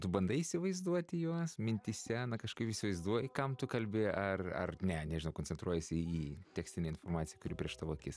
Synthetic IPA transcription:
t̪ʊbɐnd̪ɐisʲɪʋɐɪzd̪uɔt̪ʲɪjuɔsmʲɪnʲt̪ʲisʲɛnɐkɐʃkɐɪpisʲɪʋɐɪzd̪uɔjkɐmt̪ʊkɐlʲbʲɪɐrɐ̰rnʲɛnʲɛʒʲɪnɐʊkonʲt͡sʲɛnt̪ɾuɔjɛsʲɪiːt̪ʲæːksʲt̪ʲɪnʲeɪnformɑːt͡sʲsʲɪjɛkʊɾʲɪpʲɾʲiɛʃt̪ɐʋoːkʲɪs

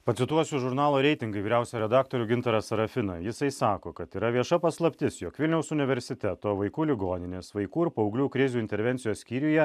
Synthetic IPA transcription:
pɐt̪sʲɪt̪uɔsʲuʒʊɾnɑːlˠoːɾʲɛɪt̪ʲɪŋɡɐɪʋʲiːɾʲæʊsʲɛjɾʲɛd̪ɑːkt̪oːɾʲʊɡʲɪnt̪ɐɾɐsɐɾɐfʲɪnɐjɪsɐɪsɑːkoːkɐt̪iːɾɐʋʲiɛʃɐpɐslˠɐpʲt̪ʲɪsjoːkʋʲɪlʲnʲɛʊsʊnʲɪʋʲɛɾʲsʲɪt̪ʲɛt̪oːʋɐɪkuːlʲɪɡoːnʲɪnʲeːsʋɐɪkuːɪɾpɐʊɡlʲuːkɾʲɪzʲuːɪnʲt̪ʲɛɾʲʋʲɛnʲt̪sʲɪjoːssʲkʲiːɾʲujɛ

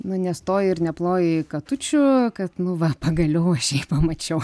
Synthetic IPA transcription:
nʊnʲɛst̪oːjɪɪrnʲɛplˠoːjɪkɐt̪ʊt͡ʃʲʊkɐt̪nʊʋɐpɐɡɐlʲoʊɐʃjɛɪpɐmɐt͡ʃʲɛʊ

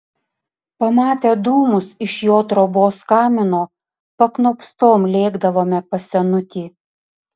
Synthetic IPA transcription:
pɐmɑːt̪ʲed̪uːmʊsɪʃjoːt̪ɾoboːskɑːmʲɪnoː | pɐknoːpst̪oːmlʲeːɡd̪ɐʋoːmʲɛpɐsʲɛnʊt̪ʲiː

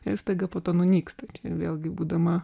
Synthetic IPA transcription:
ɪɾst̪ɐɪɡɐpoːt̪oːnʊnʲiːkst̪ɐɪt͡ʃʲɛʋʲeːlʲˠɡʲɪbuːd̪ɐmɐ

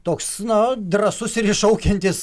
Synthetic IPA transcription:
t̪oːksnɐd̪rɐsʊsɪɾɪʃɐʊkʲɛnʲt̪ʲɪs

